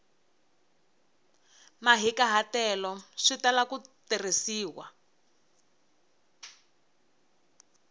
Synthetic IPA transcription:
maɦikaɦatɛlɔʂitalakuterisiːwa

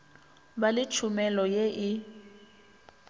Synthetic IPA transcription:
balɪt͡ʃʰʊmɛlɔjeʔɪ

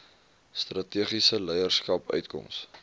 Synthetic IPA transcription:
strɐtiəχisəlɛjərskɐpœ̰ɥtkɔ̰ms

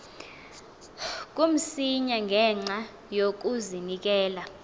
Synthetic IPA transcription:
k̬ʼum̩siɲaŋʱɛŋ͡ǁa | jok̬uzinik̬ɛːla

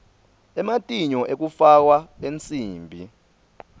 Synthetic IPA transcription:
ɛmatʼiɲɔʔek̬ufak̬waent͡sʼiːmbʱi

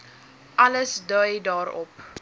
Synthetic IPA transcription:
ʔɐləsdœjdɑːɾɔ̰p

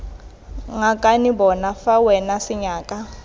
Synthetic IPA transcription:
ŋakʼanibɔnafawɛnasiɲaːkʼa

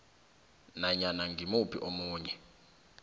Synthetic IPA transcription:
naɲanaŋɡʱimupʰḭʔomuːɲɛ

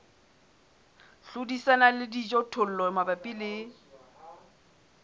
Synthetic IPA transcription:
ɬʊdisanalɪdid͡ʒɔtʰʊl̩lɔmabapʼilɪ

